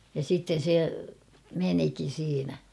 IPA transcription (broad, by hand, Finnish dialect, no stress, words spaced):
jɑ sitːen̞ se menikin̞ siːnæ